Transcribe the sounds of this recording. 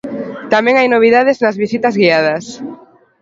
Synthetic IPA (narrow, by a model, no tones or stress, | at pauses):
t̪amɛ̃ŋajnoβ̞iðaðeznɐzβisit̪ɐzɣiað̞ɐs